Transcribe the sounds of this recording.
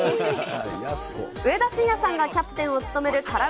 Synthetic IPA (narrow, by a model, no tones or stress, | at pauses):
skɯ̟e̞d̪aɕĩjasãŋɡakʲapːɯ̟̥t̪ẽ̞ɰ̃o̞t͡sɨ̥t̪o̞me̞ɾɯ̟kaɾa